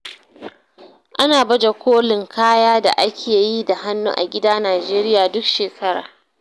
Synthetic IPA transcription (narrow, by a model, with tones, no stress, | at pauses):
ʔa˦naː˨bɐ˦d͡ʒa˨kʷoː˦lɪ˨ŋkʰaː˦jaː˦da̰˨ʔa˦kʲʰeː˨ji˦da˨ɦa˦nːṵː˦ʔa̰˨ɡʲɪ˦daː˦naː˨d͡ʒeː˦ɾɪ˦jaː˨dʊ˦kʃeː˨kʰɐ˦ɽa̰ː˨